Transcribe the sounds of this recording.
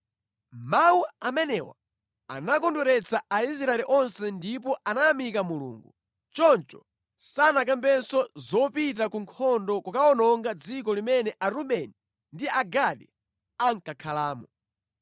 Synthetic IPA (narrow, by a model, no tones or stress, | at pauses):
mawuamɛnɛwa̰ | a̰nakɔndɔɾɛt͡saais̬ɾaɛliʔɔnsɛndipɔʔanaamikamulṵːŋɡṵ | t͡ʃɔnt͡ʃɔ̰ | sanak̬ambɛnsɔzɔpit̬akuŋkʰɔndɔkukaɔnɔŋɡad͡zikɔlimɛnɛʔaɾuɓɛni | ndiaɡaɗɛ | aŋkakʰalaːmɔ